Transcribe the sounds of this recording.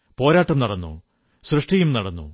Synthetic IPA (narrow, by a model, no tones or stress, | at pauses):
po̞ːɾaːʈːɐmnɐɽɐnːṵ | srɨʂʈɐjumnɐɽɐnːṵ